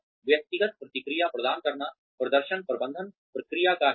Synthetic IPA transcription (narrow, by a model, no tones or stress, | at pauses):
ʋjɐk̚t̪iɡɐt̪̚pɾɐt̪ikɾijaːpɾɐd̪aːnkɐɾɐɳɐ | pɾɐd̪ɐɾʃɐnpɾɐbɐnd̪ʱɐn | pɾɐkɾijaːkaː